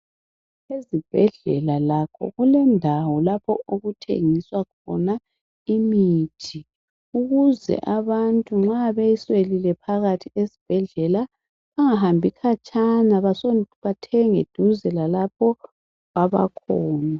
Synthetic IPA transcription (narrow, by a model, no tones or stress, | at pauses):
ezib̥ʱɛɮɛ̰lalakʰɔ̰ɣulɛndʱawɔlapʰɔʔoɣutʰḛŋiswakʰɔ̰na | imiːtʰi | uɣuzɛ̰ʔaβantʼuŋ͡ǁaβejiswelilɛpʰaɣatʰiezi̥b̥ʱɛɮɛla | βaŋaɦambʱikʰat͡ʃʼanaβasoβatʰɛŋḛd̥ʱuzɛlalapʰɔ | aβa̰kʰɔːna